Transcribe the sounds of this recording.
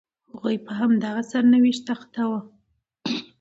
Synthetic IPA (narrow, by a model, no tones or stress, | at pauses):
hʊɣujpəɦamd̪aɣasaɾnawiʃt̪axt̪awa